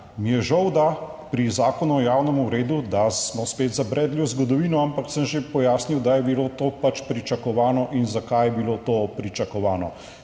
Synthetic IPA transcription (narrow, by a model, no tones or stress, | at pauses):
mijɛʒawd̪a | pɾizaːkɔnuɔjaːwnɛmuɾeːd̪ud̪asmɔspeːt̪zabɾɛːd̪lʲjuwzɡɔd̪ɔʋiːnɔampaksəmʒepɔjaːsniwd̪ajɛbiloːt̪oːpat͡ʃpɾit͡ʃakɔʋaːnɔʔinzakajɛbiloːt̪oːpɾit͡ʃakɔʋaːnɔ